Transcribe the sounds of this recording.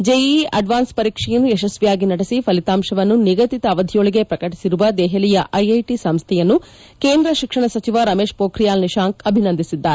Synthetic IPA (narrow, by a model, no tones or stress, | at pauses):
d͡ʒejiɐ̰ɖʋaːnspɐɾiːkʂɛjɐnːujɛʃɐsʋijaːɡinɐɽesipʰɐlit̪aːmʃɐʋɐnːuniɡɐt̪it̪ɐʋɐd̪ʱijoɭiɡe̞pɾɐkɐʈi̥siɾuʋɐd̪ɛːɦɐlijɐʔɐjɐjʈisɐmst̪ʰɛjɐnːu | keːnd̪ɾɐʃikʂɐɳɐsɐt͡ʃiʋɐɾɐmeːʃpoːkɾijaːlniʃaːŋkɐbʱinɐnd̪isid̪ːaːɾe